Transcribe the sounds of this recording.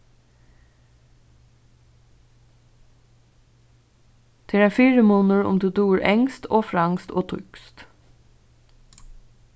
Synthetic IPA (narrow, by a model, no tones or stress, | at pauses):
d̪̥ʰɪɾæːfiːɹəmuːnəɹʊ̰md̪ʉːd̪uːɹɛŋst̪oːfɹɑŋst̪oːt̪ʰʏ̰kst̪